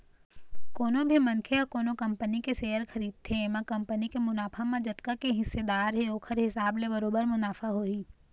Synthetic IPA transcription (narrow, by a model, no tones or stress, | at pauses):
koːnõbʱimɐnkʰeɐkoːnokɐ̃mpənikeseːəɾxʰɐɾiːd̪̚t̪ʰemãkɐ̃mpənikemʊnaːpʰamãd͡ʒɐt̪kakeɦɪsːed̪aːɾɦeoːkʰəɾɦɪsaːblebɐɾoːbəɾmʊnaːfʰaɦoːiː